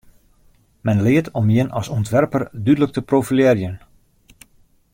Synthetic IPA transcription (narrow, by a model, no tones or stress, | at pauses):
mɛnlɪətʰɔmjɪnɑsɔntʋɛrpərdydələk̚təprofiljɪrjən